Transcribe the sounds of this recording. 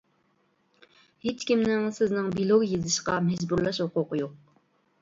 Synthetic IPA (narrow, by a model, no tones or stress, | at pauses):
het͡ʃkʲimnɪŋsɪznɪŋbilˠoɡjezɨʃqɑmɛd͡ʒbuɾlˠɑʃhoqʊqəjoq̚